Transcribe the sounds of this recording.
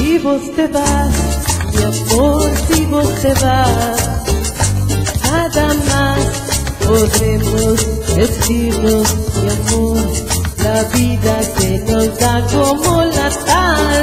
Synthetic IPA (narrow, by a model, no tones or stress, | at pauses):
siβoseβa | jamoɾsiβoseβa | kaðamas | poðɾemosest̪iɾnosdamoɾlaβiðakenot̪akomolat̪al